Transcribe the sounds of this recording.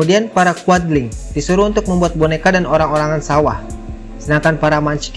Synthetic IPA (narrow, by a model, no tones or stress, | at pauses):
udianpaɾakuad̪lɪŋdisuɾuːnt̪ʊk̚məmbuat̪̚bɔnekadanoɾaŋoɾaŋansawah | sənaŋkanpaɾamaɲt͡ʃi̥k